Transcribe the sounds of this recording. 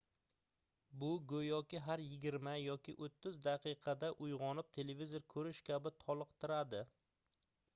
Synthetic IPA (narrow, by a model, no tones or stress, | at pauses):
bʊɡɵjɒkʲɪɦaɾjɪɡʲɪɾmajɒkʲʰɪʔot̪ʰːɪzd̪aqʰɨqʰɑd̪aʔʊjʁɒnɪp̚t̪ʰe̞le̞vʲizoɾkʰɵɾɪʃkʲʰabɪt̪ʰɒlˠɨqt̪ʰɪɾad̪ɪ